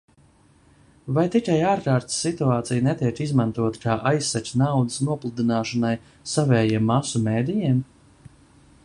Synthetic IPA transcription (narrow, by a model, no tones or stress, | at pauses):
vajt̪ikajaːɾkaːɾt̪sːit̪uaːt̪sijnɛt̪iɛkizmant̪uɔt̪kaːʔajsːat͡ʃʲnawd̪ɨsnuɔplˠud̪inaːʃɔnaj | savɛːjimːasumeːd̪ijim